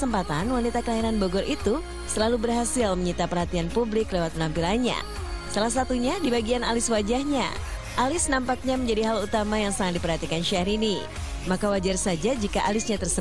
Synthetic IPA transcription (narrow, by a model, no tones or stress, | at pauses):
səmpat̪anwanit̪akəlaiɾanboɡɔɾʔit̪u | səlalubərɦasɪlməɲit̪apərhat̪ianpublɪklewat̪̚mənampilaɲa̰ | salahs̬at̪uɲadibaɡianalɪswad͡ʒahɲa̰ | ʔalɪsnampak̚ɲaməɲd͡ʒadiɦalut̪amajaŋsaŋat̪̚dipərhat̪ikanʃaɾini | makawad͡ʒarsad͡ʒad͡ʒikaʔalɪsɲat̪ərsə